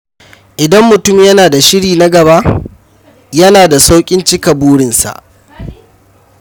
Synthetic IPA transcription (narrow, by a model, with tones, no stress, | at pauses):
ʔɪ˨dɐ˦mːʊ˨tʊ˦mjɐ˦naː˨da˨ʃɪ˦ɽiː˨na˦ɡɐ˨ba˦ʔ | jɐ˦naː˨da˨sa˦wkʲʼɪ˦nt͡ʃɪ˦kɐ˨buː˦ɽɪ˨nsa̰˨ʔ